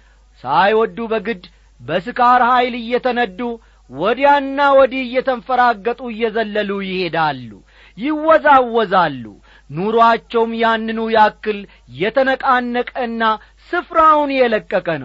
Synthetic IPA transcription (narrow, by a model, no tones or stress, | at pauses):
sajwɔd̪ːubəɡɨd̪ | bəs̬ɨkʰaɾhajlɨjːɛt̪ʰənəd̪ːu | wɔd̪janːawɔd̪iɨjːɛt̪ʰənfəɾaɡːət̪ʼuɪjːɛzəlːəlujɪhe̞d̪alːṵ | jɪwːɔzawːɔzalːṵ | nuɾoat͡ʃːɛwmjanːɨnujakːɨl | jɛt̪ʰənəkʼanːəkʼəɨnːa | sɨfɾawnjɛləkʼːəkʼənəw